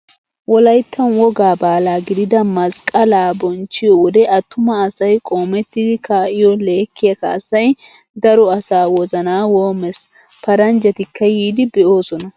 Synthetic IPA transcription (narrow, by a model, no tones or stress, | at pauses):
wɔlɐjt̪ʰːɐnwɔɡaːbaːlaːɡɪd̪ɪd̪ɐmɐskʼɐlaːbɔnt͡ʃːɪjɔwɔd̪ɛʔɐt̪ːʊmɐːsɐjkʼo̞ːmɛt̪ːɪd̪ɪkaːʔɪjɔle̞ːkːɪjɐkɐ̰ːsɐj | d̪ɐɾɔɐsaːwɔzɐnaːwoːmɛs | pɐɾɐnd͡ʒɐt̪ɪkːɐjiːd̪ɪbɛʔo̞ːsɔnɐ